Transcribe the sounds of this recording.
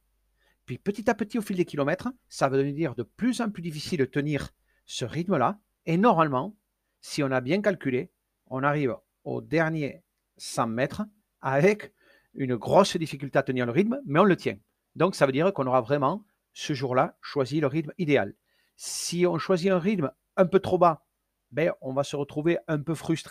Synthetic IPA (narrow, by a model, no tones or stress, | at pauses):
pɥipət̪it̪apət̪iofild̪ekʲilɔmɛt̪χə | savød̪əd̪iʁd̪əplyzɑ̃plyd̪ifisilt̪əniʁ | səʁit̪məla | enɔʁmalmɑ̃ | siɔ̃nabjɛ̃kalkʲyle | ɔ̃naʁiv | o̰d̪ɛʁnje | sɑ̃mɛt̪χə | avɛk | ynəɡʁɔsd̪ifikʲylt̪eat̪əniʁləʁit̪mmɛɔ̃lət̪ʰjɛ̰̃ | d̪ɔ̃ŋksavød̪iʁkɔ̃noʁavʁɛmɑ̃ | səʒuʁlaʃwaziləʁit̪mid̪ea̰l | siɔ̃ʃwaziɛ̃ʁit̪m | ɛ̃pøt̪χoba | bɛɔ̃vasəʁət̪χuveɛ̃mpøfχyst̪χe